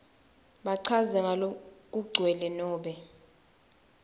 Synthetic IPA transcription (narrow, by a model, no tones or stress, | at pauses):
ɓaǀʰazɛŋʱalok̬uɡ͡ǀʱwɛlɛnɔːɓɛ